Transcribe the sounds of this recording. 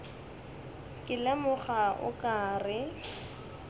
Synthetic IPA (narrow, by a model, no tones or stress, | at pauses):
kʼɪlɛmʊχaʔʊ̰kʼaːrɪ